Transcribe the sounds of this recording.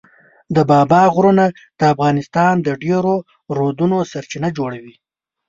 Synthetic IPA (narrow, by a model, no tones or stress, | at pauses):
d̪əbɑbɑɣɾona | d̪̥əafɣɑnɪst̪ɑnd̪əɖeɾo | ɾod̪unosaɾt͡ʃinad͡ʒoɽawi